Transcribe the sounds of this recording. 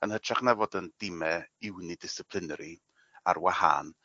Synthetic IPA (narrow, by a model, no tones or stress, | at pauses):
ənhətʰraχnɛvɔdənd̥ɪmɛɪwnidɪsɪpʰlˠɪnɛɾi | a̰rwaha̰n